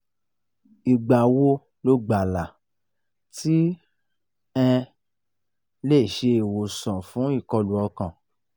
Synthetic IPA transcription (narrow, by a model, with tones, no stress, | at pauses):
i˨ɡ͡ba˨wo˦ | lo˧ɡ͡ba˨la˨ | ti˦ | ɛ̃˧ | le˦˨ʃe˧˨wo˨sɔ̃˨fũ˨˦i˦˨kɔ˧lu˨ɔ˧kã˨